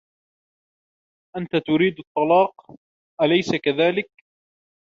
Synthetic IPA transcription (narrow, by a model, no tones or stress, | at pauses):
ʔant̪at̪ʊɾiːd̪ɑt̪ˤːɑlɑːq | ʔalajsakaðaːlɪk̚